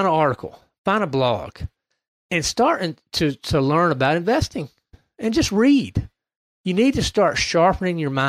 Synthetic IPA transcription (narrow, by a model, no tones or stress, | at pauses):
nəɑɹɾɨkʰl̩ˠ | fãɪ̃ndəblɔ̰ɡ̥ | ɨ̃nstɑɹɾɪ̃tʰɨɾəlɜ̃˞nəbaʊɾɨ̃ɱvɛstɪ̃ŋ | ɨ̃nd͡ʒʌst̚ɹid̥ | jɨnid̚tʰɨstɑɹtʃɑɹpnɪ̃ŋjə˞mã